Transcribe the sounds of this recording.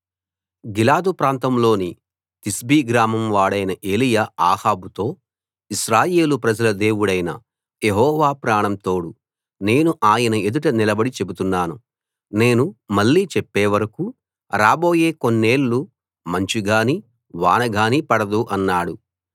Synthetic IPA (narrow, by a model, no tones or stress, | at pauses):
ɡilaːd̪upɾaːnt̪ɐmlo̞ːni | t̪isbiːɡɾaːmɐmʋaːɽɐjnɐʔe̞ːlijaːaːhaːbut̪o̞ː | isɾaːje̞ːlupɾɐd͡ʒɐlɐd̪e̞ːwuɽɐjnɐ | jeɦɔːʋaːpɾaːɳɐmt̪o̞ːɽu | ne̞ːnuʔaːjɐnɐe̞d̪uʈɐnilɐbɐɽit͡ʃe̞but̪unːaːnu | ne̞ːnumɐɭːiːt͡ʃepːeːʋɐɾɐku | ɾaːbo̞ːje̞ːko̞nːe̞ːlːu | mɐɲt͡ʃiɡaːni | ʋa̰ːnɐɡaːnipɐɽɐd̪uʔɐnːaːɽu